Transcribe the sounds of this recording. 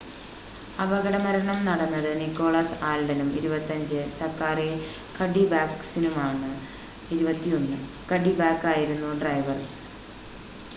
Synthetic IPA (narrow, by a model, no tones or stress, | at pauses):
ɐʋɐɣɐɽɐmɐɾɐɳɐmnɐɽɐnːɐðɨnikːo̞ːɭaːsaːlɖɐnumiɾubɐt̪ːɐɲd͡ʑɨsɐrkaːre | kʰɐɖibaːksinumaːɳɨ | iɾubɐt̪ːijo̞nːɨ | kɐɽibaːkːaːjiɾunːuɖrɐjʋɐr